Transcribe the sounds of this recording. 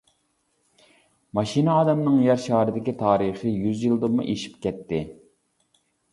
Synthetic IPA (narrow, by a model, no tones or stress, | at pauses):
mɑʃinɨɑːd̪ɛmnɨŋjɑɾʃɑːɾɨd̪ɪkʲit̪ʰɑːɾiχɨjyzjilˠd̪ɨmːṵʔeʃi̥p̚kʲɛt̪ːɪ